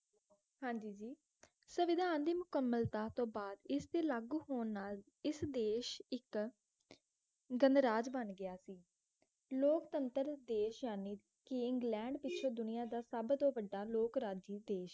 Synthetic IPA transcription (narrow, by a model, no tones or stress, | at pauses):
ɦãːɲd͡ʒiːd͡ʒiː | səʋɪd̪ʱaːnd̪iːmʊkəmːəlt̪aːt̪õːbaːd̪ɪst̪eːlaːɡuːɦoːnːaːl | ɪsd̪eːʃɪk | ɡənd̪ɾaːd͡ʒbənɡɪjaːsiː | loːkt̪ənt̪əɾd̪eːʃjaːniː | kɪɪŋɡlɛ̃ːɳɖpɪtːʃʰoːd̪ʊnɪjãːd̪aːsəbt̪õːʋəɖaːloːkɾaːd͡ʒiːd̪eːʃ